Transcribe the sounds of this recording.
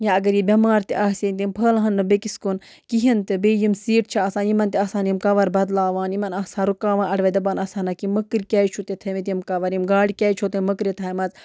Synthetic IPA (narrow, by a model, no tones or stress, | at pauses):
jaɐɡɐɾjibʲɐmaːɾt̪iʔaɦsenʲt̪impʰəːlaɦɐnːɨbekiskun | kiɦint̪ɨbeːjimsiːʈ̚t͡ʃʰiɐsãːnjimɐnt̪iɐːsaːnjimkɐʋɐɾbɐd̪laːʋaːnjimɐnɐːsãːɾukaːʋãːʔɐɽʋed̪ɐbanɐsaːnɐkiməkɾkʲaːjt͡ʃʰut̪et̪ʰɐmit̪̬ʲimkɐʋɐɾimɡaːɽikʲaːjt͡ʃʰot̪emɐkɾet̪ʰaːimɐt͡s